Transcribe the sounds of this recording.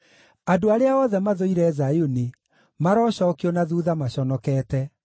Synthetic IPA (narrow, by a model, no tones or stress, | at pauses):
adoaɾeaɔðɛmaðoiɾɛːzajoni | maɾɔːɕɔkiɔnaðuðamaɕɔnɔkɛːtɛ